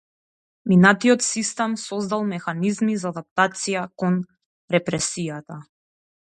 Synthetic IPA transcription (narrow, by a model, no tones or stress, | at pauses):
minat̪iɔt̪sist̪ɛmsɔzd̪alˠmɛxanizmizaːd̪ap̚t̪at̪sijakɔn | ɾɛpɾɛsijat̪a